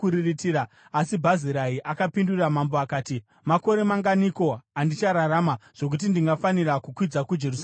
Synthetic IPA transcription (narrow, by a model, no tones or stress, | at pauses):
uɾiritiɾaː | sibʱaziɾaiʔakapinduramamboakaːti | mako̞ɾe̞maŋɡaniko̞andit͡ʃaɾaɾaːmaʐ̥o̞k̬ut̬indiŋɡafanirakukwid͡zakud͡ʒerus